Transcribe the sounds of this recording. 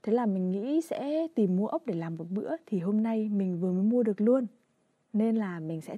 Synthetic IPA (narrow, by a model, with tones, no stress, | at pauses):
t̪ʰe˨˦laː˨˩mï˨˩ŋ̟ŋḭ˧˥sɛ̰˧˥t̪i˨˩mːu˧əʔə˦˥wk͡p̚ɗe˧˩laː˨˩mɗɨ˨˩k̚ɓɨ̰˧˥ət̪ʰi˨˩ɦo˧mna˧jmï˨˩ŋ̟vɨ˨˩məː˨˦jmu˧əɗɨ˨˩ək̚lu˧ən | ne˧nlaː˨˩mï˨˩ŋ̟sɛ̰˧˥